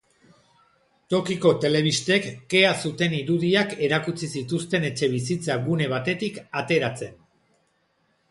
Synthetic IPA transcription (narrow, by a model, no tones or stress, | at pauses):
t̪o̞kiko̞t̪e̞le̞β̞ist̪e̞kːe̞asut̪e̞niɾuðiake̞ɾakut͡sisit̪ust̪e̞ne̞t͡ʃe̞β̞isit͡saɡune̞β̞at̪e̞t̪ikat̪e̞ɾat͡se̞n